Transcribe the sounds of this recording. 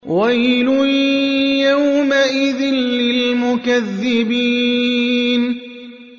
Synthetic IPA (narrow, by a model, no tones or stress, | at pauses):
wajlʊ | jawmaʔɪðɪnlɪlmʊkaðːɪbiː | n